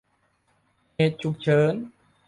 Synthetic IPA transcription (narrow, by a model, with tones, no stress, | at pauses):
ne˧t̪̚t͡ɕu˧k̚t͡ɕʰəː˧˥n